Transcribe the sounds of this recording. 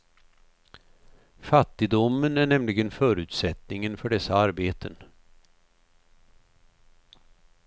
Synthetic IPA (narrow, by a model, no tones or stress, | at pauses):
fat̪ːɪd̪ʊmːənæɳɛmlɪɡənfœːɾʉ̟ːt̪sɛt̪nɪŋənfœɖɛsːaaɾbeːt̪ʰən